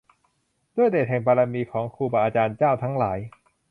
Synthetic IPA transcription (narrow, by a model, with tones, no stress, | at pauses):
d̪u˥˩əjdeː˨˩t̪̚ɦɛ˨˩ŋpʰaː˧ɾaː˧miː˧kʰɔː˩˦ŋkʰuː˧˩ba˧˩ʔaː˧t͡ɕaː˧nt͡ɕaː˥˩wt̪ʰa˦˥ŋlaː˩˦j